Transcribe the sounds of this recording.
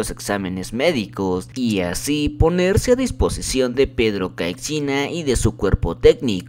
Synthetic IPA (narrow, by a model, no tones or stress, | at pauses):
oseksamenezmeðikosiasiponeɾseaðisposisjond̪epeðɾokajksinaiðesukweɾpot̪eknik